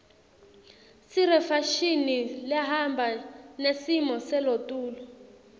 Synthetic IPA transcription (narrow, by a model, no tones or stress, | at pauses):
siɾɛfaʃiniljaɦambʱanesimɔsɛlotʼuːlɔ